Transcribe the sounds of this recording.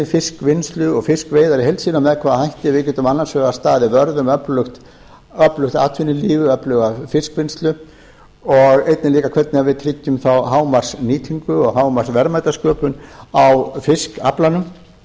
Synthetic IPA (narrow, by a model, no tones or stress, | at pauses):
ɪfɪskvɪnst̪lʏɔɣfɪskveːjðaɾɪɦejlsiːnamɛðkʰvaːðhɦajht̪ɪvɪcɛt̪ʏmanːansvœːɣast̪aːðɪvœɾðʏmœplʏxt̪ | œplʏxt̪a̰ːt̪ʰvɪnːɪliːvʏœplœːɣafɪskvɪnst̪lʏ | ɔɣejt̪nɪliːkakʰvɛt̪̚nɪavɪðt̪ʰɾɪc̪ːʏmθawɦaːwmar̥sniːt̪ʰiŋkʏɔɣɦaːwmarsvɛɾmajt̪askœːpʏnawfɪska̰planʏm